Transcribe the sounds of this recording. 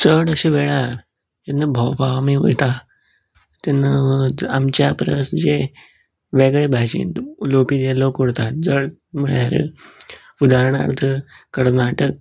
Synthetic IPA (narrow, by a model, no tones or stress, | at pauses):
səɽəɕeʋeɭaɾ | enːəbʱəwbʱaʋmio̰jt̪a | t̪ɛnːəamt͡ɕjapɾəsd͡ʑe | ʋeɡɭebʱat͡ɕḭnt̪lopiːd͡ʑelokuɽt̪at̪̚d͡zəɭməɭjaɾə̰ | ud̪aɾɳa̰ɾt̪ʰə | kːəɾnaʈək̚